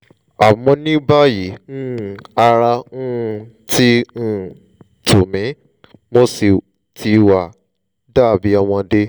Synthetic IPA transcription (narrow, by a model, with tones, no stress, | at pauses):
a˨mɔ̃˧nĩ˦ba˦ji˨˦nũ˦˨a˧ɾa˧nũ˦˧ | tĩ˦˨ | tu˨mĩ˨˦ | mo˦si˨ | tʰi˧wa˨ | daː˦˨bi˨˦a˧˨w̃ɔ̃˧de˦